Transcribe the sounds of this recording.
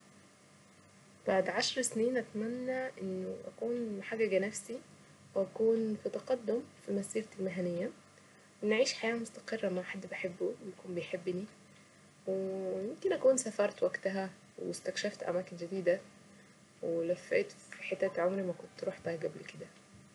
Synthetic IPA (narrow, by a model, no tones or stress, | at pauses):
b̥aʕd̪ʕaʃɾˤsniːnʔæt̪mænːæʔenːoʔækuːnħaɡæɡænæfsi | wʔækuːnfit̪ɑqɑd̪ːomfilmæsiːɾt̪ilmæɦænɪjːæ | wenʕiːʃħajæːmost̪ɑ̥qerˤːæmaħad̪ːbeħebːujækuːmbejħebːni | wejemkenʔækuːnsæfɑɾˤt̪wæɡt̪æɦæ | west̪ækʃæft̪ʔæ̰mæːkend͡ʒæd̪iːd̪æ | welæfːæ̰ːt̪fiħet̪ːæt̪ʕomɾimækont̪ɾuːħb̪æɡæblked̪æ